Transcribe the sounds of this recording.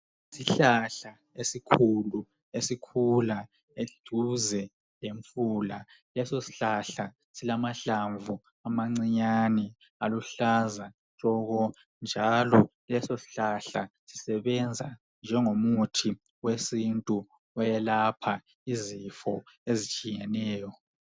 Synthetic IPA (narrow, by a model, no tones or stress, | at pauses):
siɬaɬa | esikʰulu | esikʰula | eɮ̥ʱuzɛ | leɱfuːla | lɛsosi̥ɬaɬa | silamaɬaɱvʱu | amaŋ͡ǀiɲanɛ | aluɬaza | ɬɔɣɔ | nd͡ʒʱalɔ | lɛsosi̥ɬaɬasi̥sɛβɛnd͡zʱa | nd͡ʒʱɛŋomutʰi | wesintʼu | ɔjɛlapʰa | izifɔ | ezit͡ʃʼijɛnɛːjɔ